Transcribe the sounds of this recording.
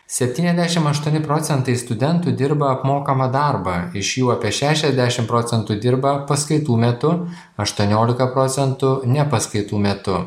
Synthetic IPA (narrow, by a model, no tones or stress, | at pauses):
sʲɛpʲt̪ʲiːnɛzd̪ʲæːʃʲɪmɐʃt̪uɔnʲɪpɾoːt̪ʲɛnt̪ɐɪst̪ʊd̪ʲɛnt̪ʊd̪ʲɪɾbɐɐpmoːkɐmɐd̪ɑˑɾbɐɪʃjuːɐːpʲiɛʃʲæːʃʲɛzʲd̪ʲæʃʲɪmpɾoːt̪sʲɛnt̪uːd̪ʲɪɾbɐpɐskɐɪt̪uːmʲɛt̪ʊ | ɐʃt̪uɔnʲoːlʲɪkɐpɾoːt̪sʲɛnt̪ʊnʲɛpɐskɐɪt̪uːmʲɛt̪ʊ